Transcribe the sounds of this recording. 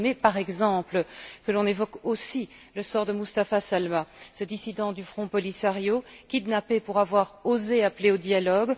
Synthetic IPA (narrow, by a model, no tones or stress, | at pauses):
mɛpaʁɛɡzɑ̃pləkəlɔ̃nevɔkosi | ləsɔʁd̪əmust̪afasalmasəd̪isid̪ɑ̃d̪yfχɔ̃pɔlisaʁjokʲid̪napepuʁavwaʁozeapleod̪jalɔɡ